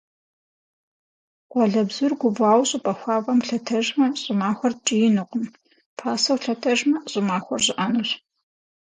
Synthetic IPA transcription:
qʷɔɮɐbzʊrɡʷʊbʷaːwɕʼʊpʼɐxʷɑːvɐmɬɐtʰɐʒmɐɕʼɪmaːxʷɔrt͡ʃʼɪjɪnɨqʷʼʊm | pʰaːsɐwɬɐtʰɐʒmɐɕʼɪmaːxʷɔrʑɪʔanuɕ

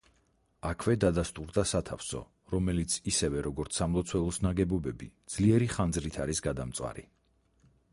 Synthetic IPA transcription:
akʰvɛd̪ad̪ast̪ʼuɾd̪asat̪ʰafsɔ̰ | ɾɔmɛlit̪sʰisɛvɛɾɔɡɔɾt̪sʰamlˠɔt̪sʰwɛlˠɔsnaɡɛbɔbɛbid̪z̥liɛɾiχand̪zɾit̪ʰaɾisɡad̪amt̪sʼwa̰ɾḭ

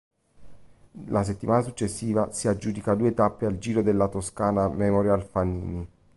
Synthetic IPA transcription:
lʔas̬et̪ːimaːnasut͡ʃːesːiːvasiad͡ʒːuːd̪ikad̪uːet̪apːeald͡ʒiːɾod̪elːat̪oskaːnamemoɾjalfanḭːni

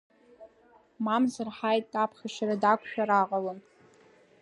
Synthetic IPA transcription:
mamzɨrħajtʼapʰχʲaʃaɾadakʷʰʃᶣaɾaqʼalɨn

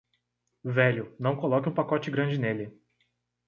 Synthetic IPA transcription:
vɛʎʊnɐ̃w̃kolɔkɪũpakɔt͡ʃɪɡɾɐ̃d͡ʒɪnelɪ

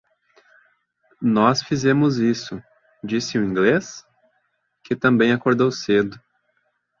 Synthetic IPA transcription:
nɔsfizẽmʊzisʊ | d͡ʒisɪʊĩŋɡles | kɪt̪ɐ̃mbẽj̃akoɾd̪owsed̪ʊ

